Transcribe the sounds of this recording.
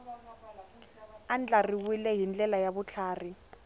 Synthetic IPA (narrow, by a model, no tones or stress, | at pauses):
and͡ɮʼariwilɛɦind͡ɮɛlajaβʊt͡ɬʰaːri